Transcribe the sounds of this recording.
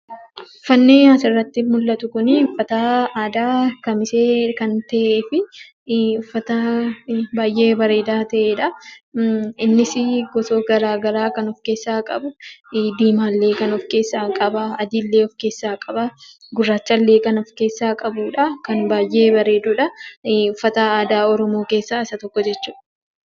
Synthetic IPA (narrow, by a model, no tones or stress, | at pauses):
ʊfɐnːeːɐsɪrːɐt̪ːɪmʊlːɐt̪ʊkʊnɪʊfːɐt̪aaːd̪aːkɐmɪse̞ːkɐnt̪ɐʔeːfɪ | ʊfːɐt̪ɐ | baːjʔːe̞ːbɐɾe̞ːd̪aːt̪ɐʔeːᶑɐ | ɪnːɪsɪɡɔsoːɡɐɾaːɡɐɾaːkɐnɔfke̞ːsːaːkʼɐbʊd̪iːmaːlːeːkɐnɔfke̞ːsːaːkʼɐbɐɐd̪ɪlːeːɔfke̞ːsːaːkʼɐbɐ | ɡʊrːaːt͡ʃːɐlːe̞ːkɐnɔfke̞ːsːaːkʼɐbuːᶑɐkɐnbaːjʔe̞ːbɐɾe̞ːd̪uːᶑɐʊfːɐt̪ɐaːd̪aːɔɾɔmo̞ːke̞ːsːaːɪsɐt̪ɔkːɔd͡ʒɛt͡ʃːuːᶑɐ